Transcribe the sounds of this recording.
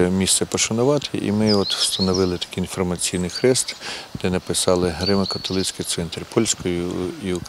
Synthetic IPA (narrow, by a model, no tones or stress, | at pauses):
mʲist̪sɛpɔʃɐnʊʋɑt̪ʰɪʔḭmɪɔt̪w̥st̪ɐnɔʋɪlˠɪt̪ɐ̥kʲɪinfɔrmɐt͡sʲijnɪjxɾɛst̪d̪̥ɛnɐpɪsɑlˠɪɦɾɪmɐkɐt̪ɔlˠɪt͡sʲkɪjt̪sɛnt̪ɾʲpʰɔlʲsʲkɔjʊi